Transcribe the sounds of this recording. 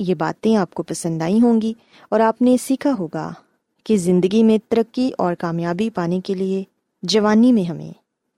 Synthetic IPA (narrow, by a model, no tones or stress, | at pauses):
jeba̰ːt̪ẽaːp̚kopɐsə̃nd̪aːĩɦõːŋɡi | ɔːɾaːpnesiːkʰaɦoːɡa̰ | kezɪ̃nd̪əɡimẽt̪ɐɾəkːiʔɔːɾkaːmjaːbipaːnekelie | d͡ʒɐʋaːnimẽɦɐmḛ̃ː